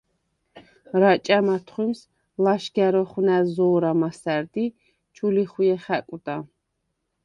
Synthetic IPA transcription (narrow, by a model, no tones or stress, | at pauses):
ɾat͡ʃʼamat̪ʰχwims | laʃɡɛɾɔχwnɛzɔːɾamasæɾd̪i | t͡ʃʰuliχujɛχɛkʼud̪a